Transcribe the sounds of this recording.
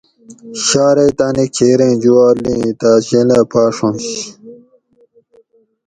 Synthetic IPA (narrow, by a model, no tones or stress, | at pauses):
ɕaːɾet̪anikʰeːɾẽːd͡ʑuwaːlĩːt̪aːɕĩlapʰaːʂõnɕ